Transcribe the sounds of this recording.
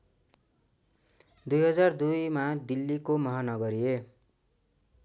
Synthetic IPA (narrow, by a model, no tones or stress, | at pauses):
d̪ujɦʌd͡zard̪ujmad̪ilːikomʌɦanʌɡʌɾie